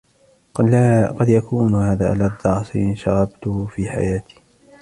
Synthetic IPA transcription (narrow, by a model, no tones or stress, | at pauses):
qɑd̪jakʰuːnhaːðaːʔalaːd̪ˤɑʕsˤḭnʃɑɾˤɑbt̪ʊhfiːħa̰jaːt̪i̥ː